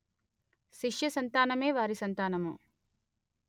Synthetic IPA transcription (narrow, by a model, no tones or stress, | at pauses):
ʃiʂjɐsɐnt̪aːnɐme̞ːʋaːɾisɐnt̪aːnɐmṵ